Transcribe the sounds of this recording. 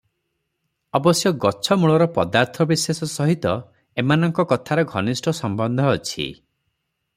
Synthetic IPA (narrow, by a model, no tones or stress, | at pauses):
ɔbɔsjɔɡɔt͡ʃʰɔmuɭɔɾɔpɔd̪aɾt̪ʰɔbisesɔsɔɦit̪ɔ | emanɔŋkɔkɔt̪ʰaɾɔɡʱɔnisʈʰɔsɔmbɔnd̪ʱɔːt͡ʃʰḭ